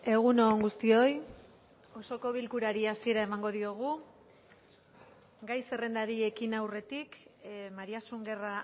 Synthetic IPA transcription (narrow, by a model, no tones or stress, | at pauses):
e̞ɣ̞uno̞ŋɡust̪io̞j | o̞so̞ko̞βilkuɾaɾiasie̞ɾae̞maŋɡo̞ðio̞ɣ̞u | ɡajse̞re̞nd̪aɾie̞kinawre̞t̪ikmaɾiasuŋɡe̞ra